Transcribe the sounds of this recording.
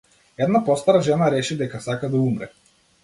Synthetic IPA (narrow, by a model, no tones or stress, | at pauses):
ɛd̪napɔst̪aɾaʒɛnaɾɛt͡ʃɛd̪ɛkasakad̪aumɾɛ̰